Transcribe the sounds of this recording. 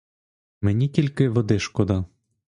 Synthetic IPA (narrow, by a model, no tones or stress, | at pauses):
menʲitʲilʲkɪʋɔd̪ɪʃkɔd̪ɑ